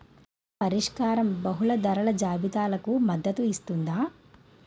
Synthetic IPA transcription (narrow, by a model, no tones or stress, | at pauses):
pɐɾiʂkaːɾɐmbɐɦulɐd̪ɐɾɐɭɐd͡ʒaːbit̪aːlɐkumɐd̪ːɐt̪uist̪und̪aː